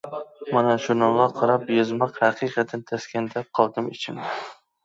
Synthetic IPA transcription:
manaʃʊɾnɑlˠɑqʰɑɾɑpjɨzmɑqhaqʰɨqʰɑt̪ʰant̪ʰaskʲand̪ap̚qʰɒlˠd̪ɪmɪt͡ʃʰɪmɪ

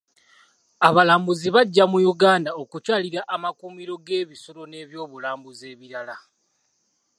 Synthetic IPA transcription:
aβalaːmbuziβaɟːamujuɡaːndao̞kucaːliɾaʔːmakumiɾo̞ɡe̞ːβiso̞ɾo̞ne̞ːβjo̞ːβulaːmbuze̞ːβiɾala

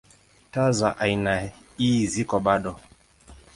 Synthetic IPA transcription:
tazaʔaina | izikɔɓaɗɔ

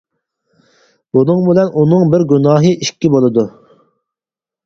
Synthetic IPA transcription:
bunɨŋbɪlɛnunɨŋbɪɾɡʲynɑːɦɨʔiʃkʲːibolˠɨd̪u

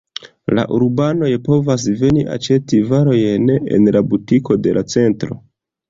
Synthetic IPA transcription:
la̰ʔuɾbano̞jpo̞vas̬ve̞niʔa̰t͡ʃe̞tivaɾo̞jne̞̰nlabutiko̞de̞lʔat͡se̞ntɾo̞̰

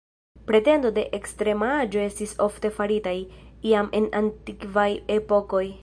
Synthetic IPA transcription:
pɾe̞te̞ndo̞de̞ʔekstɾe̞mad͡ʒo̞e̞stisofte̞faɾitajiame̞nantikvajepo̞ko̞j

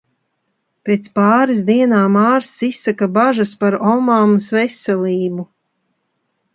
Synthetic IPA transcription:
peːt̪spaːɾisd̪iɛnaːmaːɾsisːakabaʒɐspaɾɔmamsvesɛlˠiːbu

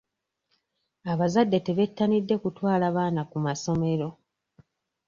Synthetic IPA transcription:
aβazadːe̞te̞βe̞tːanidːe̞kutwaːlaβaːnakumaso̞me̞ɾo̞

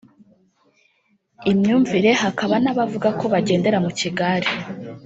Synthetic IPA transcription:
imɲuːɱviɾe̞ɦakaβanaβavuɡako̞βaɟe̞ːnde̞ɾamuciɡaɾi

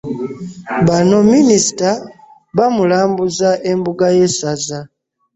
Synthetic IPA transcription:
βano̞minisi̥ta | βamulaːmbuzaʔe̞mbuɡaje̞saza

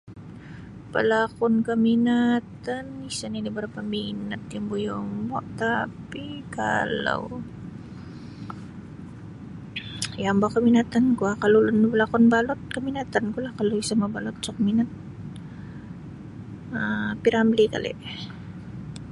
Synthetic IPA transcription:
pə̰lakʊnkəminat̪anisanidibəɾapaminat̪̚jaŋbujomɔ̰ʔt̪apika̰lo̰w | jambakəminat̪ankuakalolʊnpəlakɔnbalʊt̪̚kəminat̪ankulahkaloisamabalʊt̪̚sɔkminat̪̚ | əpiɾamblika̰lɛ̰ʔ

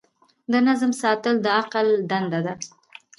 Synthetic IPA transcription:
d̪ənazmsɑt̪əld̪əaqəld̪and̪ad̪a

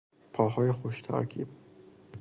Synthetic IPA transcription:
pʰɒːɦɒːjexoʃt̪ʰæ̰ɾkʰḭːb̥̚

